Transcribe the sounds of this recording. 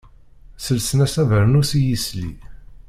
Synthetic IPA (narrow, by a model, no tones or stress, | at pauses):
səlsənæsævəɾnusijislḭ